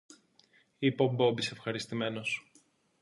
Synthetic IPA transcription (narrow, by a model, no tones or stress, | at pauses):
ipo̞bo̞bise̞fxɐɾist̪ime̞no̞s